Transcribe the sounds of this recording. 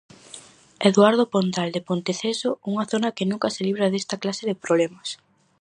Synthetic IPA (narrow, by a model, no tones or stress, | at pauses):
eðwaɾðopont̪ald̪epont̪eθesouŋɐθonɐkenũŋkɐseliβ̞ɾɐðest̪ɐklaseðepɾoβlemɐs